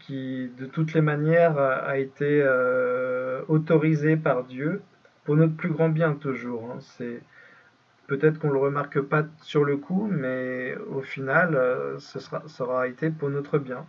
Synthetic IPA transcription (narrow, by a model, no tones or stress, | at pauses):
kʲʰid̪ət̪ut̪lemanjɛʁa̰et̪eø | ot̪ɔʁizepaʁd̪jø | puʁnɔt̪χəplyɡʁɑ̃bjɛ̃t̪uʒuʁɛ̃sɛ | pøt̪ɛt̪χəkɔ̃ləʁəmaʁkəpasyʁləkʰumɛofinaløsəsʁasəʁaet̪epuʁnɔt̪χəbjɛ̃